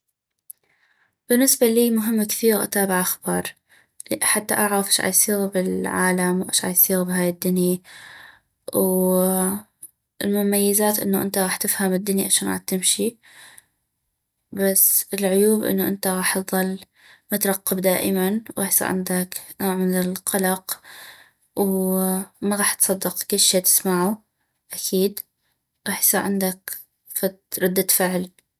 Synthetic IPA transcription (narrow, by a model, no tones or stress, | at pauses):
b̥ɪnːɪsbaliːmʊɦɪmːkθiːɣʔa̰t̪aːbɪʕʔaxbɑːɾˤ | ħat̪ːaʔaʕɾɑfʔɪʃʕa̰ːjsˤiːɣbɪlʕaːlamwʔa̰ːʃʕa̰jsˤiːɣbɪɦaːjɪd̪ːʊni | w | ɪlmʊmajːɪzaːt̪ʔɪ̰nːoʔɪ̰nt̪aɣɑːħt̪ɪfhamɪd̪ːʊniʔaʃaːnɣa̰ːt̪ːɪmʃi | basːɪlʕʊjuːbʔɪ̰nːuʔɪ̰nt̪aɣɑːħt̪ðˤɑlː | mʊt̪ɾˤɑqːɑbd̪aːʔɪmanwɣɑːħjsˤɑ̰ɾʕɪ̰nd̪aknoːʕmɪnɪlqɑlɑq | w | maɣɑːħt̪sˤɑd̪ːɪqkɪlːʃeːt̪ɪ̥smaʕu | ʔakʰiːd̪ | ɣɑːħsˤɑɾʕɪnd̪ak | fat̪ɾˤɑd̪ːat̪fɪʕl